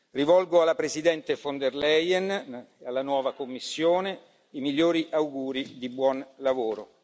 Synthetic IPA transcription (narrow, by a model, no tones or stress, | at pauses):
rivɔlɡoalːapɾezid̪ɛnt̪efond̪erlɛjɛnealːanwɔːvakomːisːjoːne | imiʎːoːɾiʔawɡuːɾid̪ibwɔnlavoːɾo